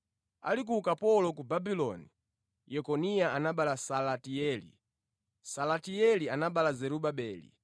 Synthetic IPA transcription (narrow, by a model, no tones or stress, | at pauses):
a̰lik̬ukapɔlɔkubabilɔni | jɛkɔniaʔanaɓalasalatiɛːlḭ | salatiɛlianaɓalazɛɾuɓaɓɛːlḭ